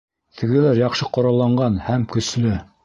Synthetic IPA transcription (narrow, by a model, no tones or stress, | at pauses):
t̪ʰɘ̆ɡɘ̆læɾjɑqʃɤqŏɾɑlˠːɑɴɢɑnhæmkɵ̆slɘ